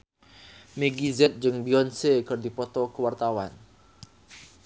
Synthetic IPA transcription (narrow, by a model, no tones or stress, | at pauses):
meɡizɛt̪̚d͡ʒɨŋbiɔnsekərdipɔt̪ɔkəwart̪awan